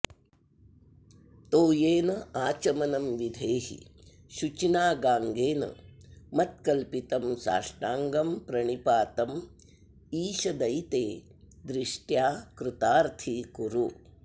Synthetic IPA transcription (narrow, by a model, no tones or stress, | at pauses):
t̪oːjeːnɐaːt͡ʃɐmɐnɐmʋid̪ʱeːɦḭ | ʃut͡ʃinaːɡaːŋɡeːnɐ̰mɐt̪̚kɐlpit̪ɐmsa̰ːʂʈaːŋɡɐmpɾɐɳipaːt̪ɐm | iːʃɐd̪ɐjt̪eː | d̪ɾɪʂʈjaːkɾut̪aːɾt̪ʰikuɾu